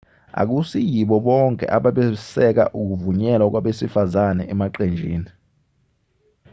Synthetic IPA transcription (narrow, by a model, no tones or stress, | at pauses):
a̰k̬usijiɓɔɓɔŋkʼɛ̰ʔaɓaɓɛsɛk̬a̰ʔuk̬uvuɲɛlwak̬waɓesifazanɛʔɛmaǃend͡ʒʱḭːni